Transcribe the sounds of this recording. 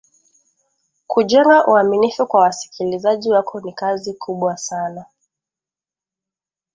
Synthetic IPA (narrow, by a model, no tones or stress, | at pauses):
kʰuʄɛŋɡaʔuaminifukwawasi̥kʰilizaʄiwakʰɔnikazikʰuɓwasana